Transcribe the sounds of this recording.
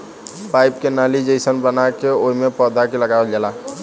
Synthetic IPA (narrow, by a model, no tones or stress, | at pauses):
pajp̚kenalid͡ʒesənbənakeoimepəd̪akeləɡabeld͡ʒala